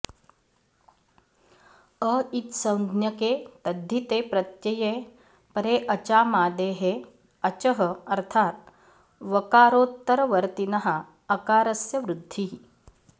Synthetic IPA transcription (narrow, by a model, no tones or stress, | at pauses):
əit̪sɐ̃w̪̃d̪ʱnjɐkeːt̪ɐd̪ʱːit̪eːpɾɐt̪jɐje | pɐɾeːʔɐt͡ʃaːmaːd̪eːɦe | ɐt͡ʃɐɦɐɐɾt̪ʰaːt̪̚ | ʋɐkaːɾoːt̪ːɐɾɐʋɐɾt̪inɐɦɐː | kaːɾɐsjɐʋɾud̪ʱːi